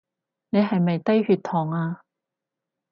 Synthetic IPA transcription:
ne˨˧jɦɐ˨jmɐ˨jt̪ɐ˥jhyː˧t̪ʰɔː˨˩ŋaː˧

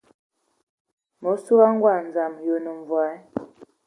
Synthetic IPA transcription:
mo˨˦su˦ɣa˦ŋ˦ɡwa˨n˨d͡za˨mjo˨no˨ɱ˨vwa˨˦

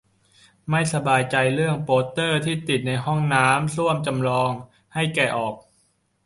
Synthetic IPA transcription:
ma˥˩jsa˧baː˧jt͡ɕa˧jɾɯ˥˩əŋpoː˦˥t̪ːɤː˥˩t̪ʰiː˥˩t̪i˨˩t̪̚na˧jhɔ˥˩ŋnaː˦˥msu˥˩əmt͡ɕa˧mlɔː˧ŋ | ha˥˩jkɛː˨˩ʔɔː˨˩k̚

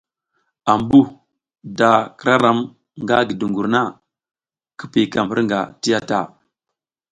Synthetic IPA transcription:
a˨mbu˦ | da˨kə˦ɾa˦ɾa˨˦m | ŋɡa˦ɡi˨du˨ŋɡu˨ɾna˦ | kə˦pi˨ka˨m˨ə̰˦ɾŋɡa̰˨ti˦ja˦ta˨

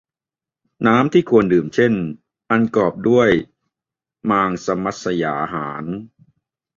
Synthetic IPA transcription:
naː˦˥mt̪ʰiː˥˩kʰu˧əndɯː˨˩mt͡ɕʰe˥˩n | ʔa˧nkɔː˨˩p̚du˥˩əj | maː˧ŋsa˧ma˨˦˩t̪̚sa˧jaː˩˦ʔɦaː˩˦n

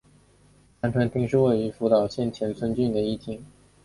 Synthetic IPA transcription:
tʰa˧˥nʈ͡ʂʰwa˧˥nt̪i˥˧ŋʂɻ̩˥˧we˥˩ɪy˧˥fu˧˥t̪ɑ˨˩ʊɕjɛ˥˩nt͡ɕʰjɛ˧˥nt͡sʰwə˥nt͡ɕy˥˩nd̪ə˩i˥˩t̪ʰi˧˥ŋ

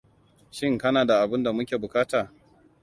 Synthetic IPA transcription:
ʃɪ˦ŋkɐ˦naː˨da˨ʔa˨bɪ˦nda˨mʊ˦kʲeː˨bʊ˨kaː˦taː˨

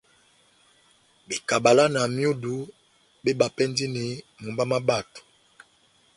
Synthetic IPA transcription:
be˨ka˨ba˨la˦na˨mi˦o˦du˨˦ | bɛ˦ba˨pɛ˦ndi˦ni˨˦mu˨mba˦ma˦ba˦˨tu̥˨

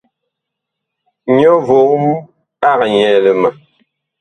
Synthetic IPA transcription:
ɲɔ˦vo˨˦m˦ | a˦ɣɲɛ˨lə˨ma˨

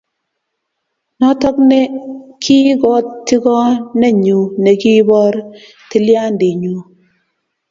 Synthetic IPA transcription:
nɔ˦tɔ˦k̚ne˦kʰi˦ɡɔ˦ttːi˦kɔ˦nɛ˦ɲu˨ne˨ki˦bɔ˦ɾ | ti˦lja˦ndi˨ɲu˨

